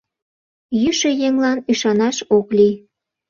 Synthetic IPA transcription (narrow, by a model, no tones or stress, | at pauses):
jyʃejeŋlɑnyʃɑnɑʃokli